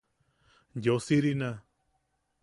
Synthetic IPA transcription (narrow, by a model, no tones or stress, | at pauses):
josiɾinã